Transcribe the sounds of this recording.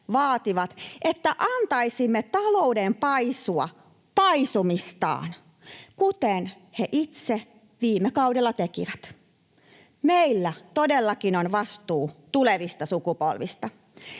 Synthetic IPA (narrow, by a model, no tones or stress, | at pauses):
ʋɑːt̪iʋɑt̪ʔet̪ːæʔɑnt̪ɑisimːet̪ɑloudempɑisuɑ̰ | pɑisumist̪ɑ̰ːn | kut̪en | heʔit̪se | ʋiːmekɑudelːɑt̪ekḭʋæt̪ | meilːæt̪odelːɑkinonʋɑst̪uːt̪uleʋist̪ɑsukupo̰lʋist̪ɑ